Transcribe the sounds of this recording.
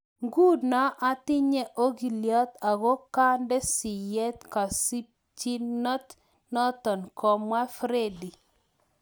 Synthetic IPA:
ŋɡu˦dnɔ˦ʔa˦tɪ˦ɲɛ˦ʔo˦ɡi˨ljɔ˦t̪a˨ɣo˦ka˦ndɛ˦si˨jɛ˦t̪ka˨si˦p̚ | t͡ʃi˦nɔ˦t̪ | nɔ˦t̪ɔ˨nkʰɔ˨mwa˦fɾe˦˨di˨

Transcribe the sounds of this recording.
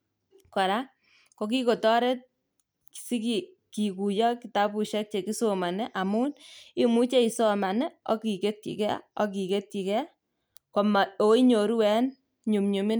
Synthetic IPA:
ka˨ɾa˦ | ko˨k̬i˦ko˨tɔ˦ɾe˦t̚ | si˦ki˨ | ki˨ku˨jɔ˦ki˨ta˦pu˨ʃɛ˦k̚t͡ʃe˨ki˦so˨ma˨nɛ˦ʔa˨mu˦ni˦mu˦t͡ʃe˦i˨so˦ma˨nɛ˦ɔ̰˦ki˨ke˦t̚kḭ˨kɛ˦ɔ˦ki˨ke˦t̚ki˨kɛ˦ | ko˨ma˨o˨˦i˦ɲo˨ɾu˦wɛ˦n | ɲu˨mɲu˨mi˦n

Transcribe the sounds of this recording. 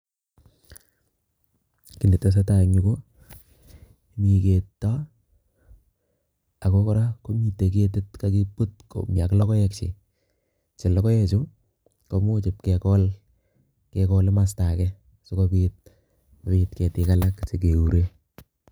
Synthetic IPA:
ki˨ne˨ta˨s̬a˦ta˨ɲu˦ko˦ | mi˨ke˨tːa˦ | a˨ko˦kɔ˦ɾa˦ko˦mi˨te˨ke˦t̬e˦tka˦ki˦pu˦t̚ko̰˨mja˨klɔ˦kɔ˦jɛ˨k̚t͡ʃɪ̰˨ | t͡ʃe˨lɔ˦kɔ˦jɛ˦t͡ʃo˦ | ko˨mo˦t͡ʃɪ˨p̚kɛ˨kɔ˦l | kekɔ˦le˦ma˨sta˨kɛ | so˦kopi˦t̚ | pitkɛ˨tɪ˨ka˦la˦kse˨ke˨u˨ɾe˦

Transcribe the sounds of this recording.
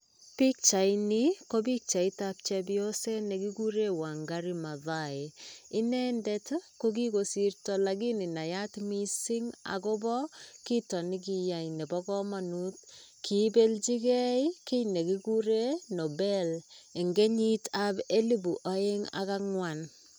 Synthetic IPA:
pi˦k̚t͡ʃa˨jnɪ˦ko˦bi˦k̚t͡ʃa˨ɪ˦tap̚t͡ʃɛ˦bjo˦se˦ne˨ki˦ɡu˦ɾe˦wa˨ŋɡa˦ɾi˦ma˨ða˨e˨ɪ˦nɛ˦ndɛ˦tko˦k̬i˦ko˨si˨rtɔ˨la˨ɡi˦nɪ˨na˨ja˦tmi˦si˦ŋa̰˨kɔ˦bɔ˦ki˦tɔ˨nɪ˦k̬i˦ja˨jne˨bɔ˦kɔ˦ma˨nu˦t̚ | kʰi˨˦be˦lt͡ʃi˦kɛ˦iki˦jne˨ki˦ku˦ɾe˦no˨bɛ˦le˨ŋɡe˦ɲi˦tabe˦li˦bu˨ʔa˦e˦ŋa̰˦ka˦ŋwa˨n

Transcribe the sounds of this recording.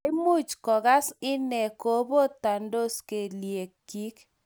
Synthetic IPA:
mu˦˨t͡ʃkɔ˨ɡa˦sɪ˦nɛ˨ko˦bo˦t̪a˨ndo˦ske˨lje˨kːi˦k

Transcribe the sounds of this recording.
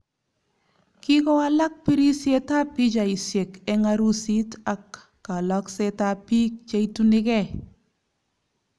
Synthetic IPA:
ki˦kɔ˦a˦la˦k̚pi˦ɾi˦sje˦ta˦pi˦d͡ʒa˨i˨sje˨kɛ˦ŋa˦ɾu˦si˦ta˨kː | a˨lɔ˦kse˦ta˦pi˦k̚t͡ʃa˦i˦tunɪ˦kɛ˦

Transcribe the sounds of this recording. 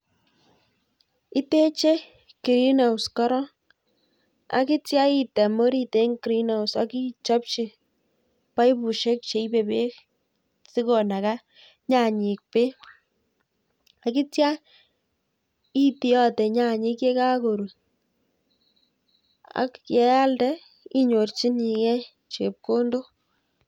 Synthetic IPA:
i˦te˦t͡ʃe˦ | ki˨ɾi˦na˨ʊskɔ˦ɾɔ˦ | a̰˦ki˦tja˦i˦tɛ˨mo˦ɾi˦te˦ŋki˨ɾi˦na˨wsa˦ki˦t͡ʃɔ˦p̚t͡ʃi˧ | pa˦jpu˨ʃe˦k̚t͡ʃe˨˦i˦be˨be˦k̚ | si˦ko˨na˨ka˦ | ɲa˨ɲi˨k̚pe˦ | a˨ki˦tja˦ | i˦ti˦ɔ˦tɛ˨ɲa˨ɲi˦ke˦ka˦ko˨ɾu˨ | a̰˦kjɛ˨˦a˦ldɛ˦ | i˦ɲo˨rt͡ʃi˦ni˨ŋɛ˦ | t͡ʃe˨p̚ko˦ndo˦

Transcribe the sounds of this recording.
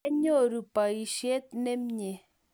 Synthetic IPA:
ɲo˦˨ɾu˨pa˨i˨ʃje˦t̪̚ne˦mɲe˨

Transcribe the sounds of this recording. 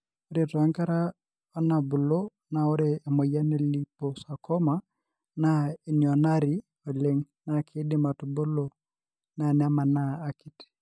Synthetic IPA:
o˦ɾe˨tɔ˨a˦ŋka˦ɾa˦ | ɔ˦na˨bʊ˨lo˦ | na˨o˦ɾeː˦˨mo˨ja˦ne˨li˦po˨sa˨kɔ˦ma˦ | na˨i˨ni˨ɔ˨na˦ɾi˨ | o˨le˨ŋ | na˨kʰe˦dɪ˦ma˨tu˨bʊ˦lo˦ | na˨nɛ˨a˦ma˨naː˦ki˦t

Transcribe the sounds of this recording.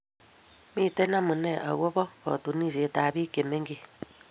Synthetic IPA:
mi˦˨tɛ˦na˦mu˨nɛ˦˨ʔa̰˨ɣwɔ˦βɔ˦kɔ̰˨tu˨ni˦˨se˨ta˨βi˦ke˨me˦ŋɡe˦

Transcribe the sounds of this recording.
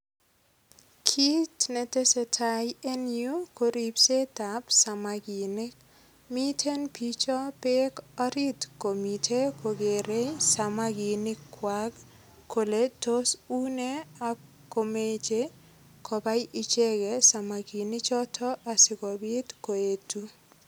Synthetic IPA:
kʰi˦tne˨te˦se˨tʰa˨je˦nju˦ko˨ɾi˨pse˦ta˨psa˨maɡi˨nɪ˦k | mi˦tʰe˦npit͡ʃɔ˦pe˦kɔ˦ɾi˦tko˨mi˨tʰe˦kʰo˨ɡe˨ɾe˦sa˨maɡi˨nɪ˦kːwaɡ | kːo˨leto˦su˦ne˦a˨ | ko˨me˦t͡ʃe˦ | kɔ˨ba˦jʔi˦t͡ʃe˦ɡesa˨ma˨ɡi˨nɪ˦t͡ʃɔ˦tʰɔ˦ʔa˨sɪ˨kɔ˨bi˦tko˨e˨tu˦

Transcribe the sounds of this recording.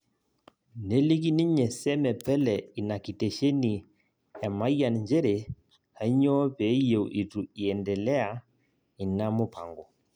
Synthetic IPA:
ne˦li˦ki˦ni˦ɲɛ˨sɛ˦mɛ˨pɛ˦lɛ˨i˨na˨ki˨tɛ˨ʃe˦ni˨ | ja˨ma˦i˦a˨nɲd͡ʒɛ˦ɾe˨ | ha˨˦ɲɔ˦βe˨˦je˨wʔi˨tu˨i˨ɛ˨ndɛ˨lɛ˦a˨ | i˨na˦mo˦pʰa̰˨ŋɡɔ˨

